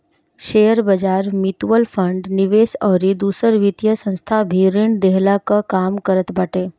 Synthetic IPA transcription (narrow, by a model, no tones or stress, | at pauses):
ʃejəɾbəd͡ʒaɾmit̪ʋəlfʰə̃ɳɖniʋesɔːɾid̪uːsəɾʋit̪jəsə̃nst̪ʰabʱiɾiɳɖd̪eɦlakakamkəɾət̪baːʈe